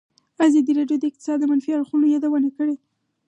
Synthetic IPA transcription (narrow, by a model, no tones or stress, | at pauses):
azɑd̪iɾɑɖjod̪əɪq̚t̪ɪsɑd̪̚ːəmanfiaɽxunojɑd̪awənakəɽe